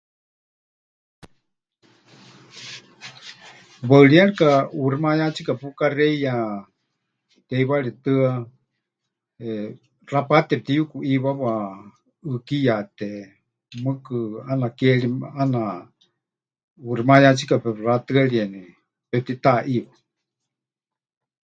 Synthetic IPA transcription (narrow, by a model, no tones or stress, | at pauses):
waɨɺiaɺikauɾimajat͡sikapukarɛja | t̪ɛjwaɺɛt̪ɨa | rapat̪ɛp̚t̪ijukuʔiwawa | ɨkijat̪ɛ | mɨkɨanakɛɺiana | urimajat͡sikapɛrat̪ɨaɺiɛnɛ | pɛp̚t̪it̪aʔiwa